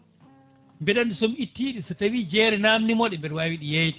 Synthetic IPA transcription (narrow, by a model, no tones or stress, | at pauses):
mbɛɗanɗusɔmitːiːɗisɔtawid͡ʒɛːɾɛnamnimɔɗɛmbɛɗwawiɗijajti̥